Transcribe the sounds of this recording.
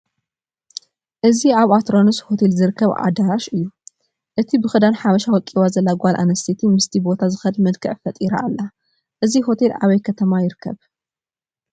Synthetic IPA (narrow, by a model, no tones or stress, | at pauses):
ʔɨziaβat̪ɾo̞nɨsho̞t̪ʰelzɨɾɨkʰːɐβʕa̰d̪aɾaʃʔɨjːu | ʔɨt̪ʰibɨxɨd̪anħamɐʃawɔkʼiwazɐlːaɡʷalʔa̰nɐst̪ʰit̪ʰimɨst̪ʰibo̞t̪ʰazɨxɐd̪mɐlkʰɨʕfɐt̪ʼiɾa̰ːlːa | ʔɨziɦo̞t̪ʰela̰βɐjkʰɐt̪ʰɐmajɪɾɨkʰːɐ̰β